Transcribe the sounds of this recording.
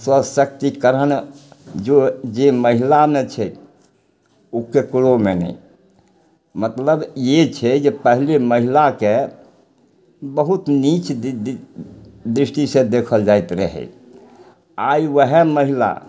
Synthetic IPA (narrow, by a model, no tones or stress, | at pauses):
swəsəkt̪ikəɾənd͡ʒod͡ʒeməɦilamet͡ʃʰɛ | ukekuɽomenɛ̰i | mət̪ləbjet͡ʃʰɛd͡ʒepəɦileməɦilake | bəɦut̪nit͡ʃ | d̪ɾisʈisẽd̪ekʰəld͡ʒajt̪ɾə̰ɦɛ̰ | aiʋəɦɛməɦila̰